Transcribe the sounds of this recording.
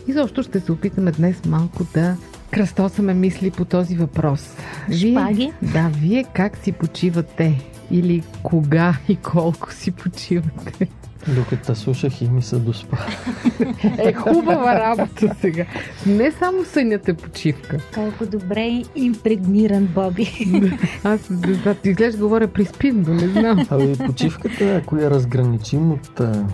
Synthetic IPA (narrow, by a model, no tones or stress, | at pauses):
izɔpʃt̪ʊʃt̪ɛsɛopit̪əmɛd̪nɛsmalˠkʊd̪ɐ | kɾɐst̪ɔsmɛmislipot̪ɔzivɐpɾɔsviɛaɡʲid̪aviɛkaksipot͡ʃivət̪ɛ | ilikʰoɡaikʰɔlˠkʊ̥sipʰot͡ʃivɐt̪ɛ | d̪okət̪əslˠuʃəximisəd̪ospa | ɛxubəvəɾabot̪ʰəsɛɡanɛsamosənʲət̪ɛpo̥t͡ʃifkəkɔlˠkʊd̪obɾɛimpɾɛɡniɾənbɔbid̪aasd̪ɛznat̪izɡlɛʒd̪ɡovɔɾʲəpɾispind̪onɛznamɐmipot͡ʃifkət̪əɐkoɛɾɐzɡɾɐnit͡ʃimot̪